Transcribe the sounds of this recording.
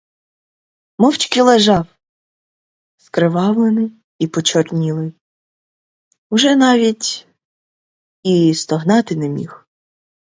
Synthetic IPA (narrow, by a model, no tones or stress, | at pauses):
mɔwt͡ʃkilˠeʒɑw | skɾɪʋɑwlˠenɪ | ipɔt͡ʃɔrnʲilˠɪ | uʒɛnɑʋʲitʲ | ist̪ɔɦnɑt̪ɪnɛmʲḭx